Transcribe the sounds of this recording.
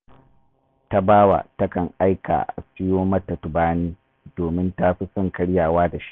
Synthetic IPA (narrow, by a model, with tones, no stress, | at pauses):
ta˦baː˦wa̰˨tɐ˦kɐ˨ŋʔa˦jka̰ː˨ʔa̰˨skɪ˦joː˦mɐ˦tːɐ˨tʊ˨baː˦niː˦ | doː˨mɪ˦ntaː˦ɸi˦sɔ˦˨ŋkɐ˦ɽjaː˨waː˦da˨ʃi̥˦ʔ